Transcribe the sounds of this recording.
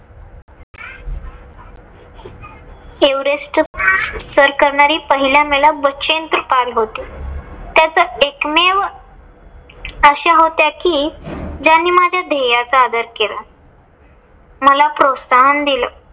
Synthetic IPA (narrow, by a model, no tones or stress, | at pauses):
eʋɾesʈ | səɾkəɾɳaɾiːpəɦiljameɭabəɕent̪ɾəpalɦot̪et̪jat͡səekmeʋ | əɕaɦot̪jakiːd͡ʑanːiːmad͡ʑʱjad̪ʱejat͡səad̪əɾkela̰ | məlapɾotsaɦənd̪ilə